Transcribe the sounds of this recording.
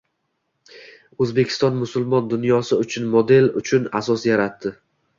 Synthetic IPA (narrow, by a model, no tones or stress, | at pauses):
ɵzbe̞kʲʰɪ̥st̪ɒnmʊsʊlˠmɒnd̪ʊnjɒsɪʊt͡ʃʰʊnmod̪e̞lʊt͡ʃʰʊnasɒsjaɾat̪ːɪ